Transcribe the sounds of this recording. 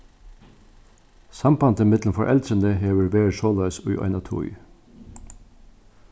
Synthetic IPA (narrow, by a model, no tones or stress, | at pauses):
sɑmpɑnt̪ʰəmɪt̪ln̩fɔʔɛ̰lt̪ɾənd̪əheːʋəɹʋeːɹʃolɑʏsʊʏʔɑ̰ɪnɑt̪ʰʊ̰ʏ